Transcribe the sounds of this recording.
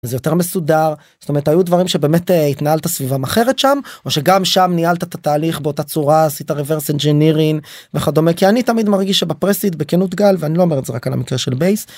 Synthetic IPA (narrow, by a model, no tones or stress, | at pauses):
zejo̞te̞ʁmesudaʁ | zo̥t̪ome̞ʁetajud̪vaʁimʃebeːmet̪it̪naɦalt̪asvivamaχe̞ʁetʃamo̞ʃeɡamʃamnialt̪at̪at̪aːliχbeo̞tat͡suʁaːsit̪aʁeveʁsend͡ʒeniʁin | veχad̪omekianit̪amid̪maʁɡiʃabapʁesit̪bekenut̪ɡalveanilo̞ome̞ʁetzea̰kala̰mikʁeʃelbejs